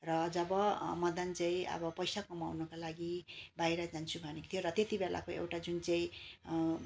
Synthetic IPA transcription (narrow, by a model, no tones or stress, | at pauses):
rʌd͡zʌbʌmʌd̪ʌnt͡sãĩʌ̰bʌpʌjsakʌmawnʌkalaɡibajɾʌd͡zant͡sʰubʱʌnekt̪ʰjoɾʌt̪et̪ibelʔa̰koḛwʈad͡zunt͡saĩ